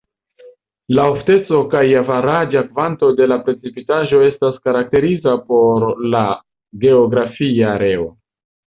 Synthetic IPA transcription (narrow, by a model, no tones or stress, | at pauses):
laofte̞t͡so̞kajavaɾad͡ʒakvanto̞de̞lapɾe̞t͡sipitaʒo̞e̞staskaɾak̚te̞ɾizapo̞ɾla | ɡe̞oɡɾafiaɾe̞o